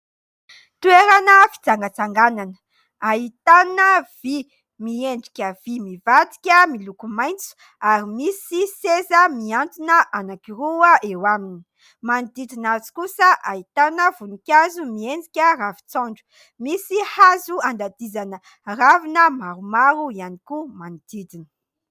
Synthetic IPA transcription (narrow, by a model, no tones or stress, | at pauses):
t̪ueɾanəfi̥t͡saŋɡət͡saŋɡananə̥ | aɦit̪anəv̥i | mieɳɖ͡ʐikʲəv̥imivat̪i̥kʲəmilukumajnt͡su̥ | aɾimisisezəmiant̪inəʔanakiruəʔewamini̥ | manid̪id̪inat͡si̥kusəʔait̪anəvunikʲazumienɖ͡ʐikʲəravi̥t͡sɔɳɖ͡ʐu̥ | misihazuand̪ad̪izanə | ravinəmaɾumaɾuianikumanid̪id̪inə̥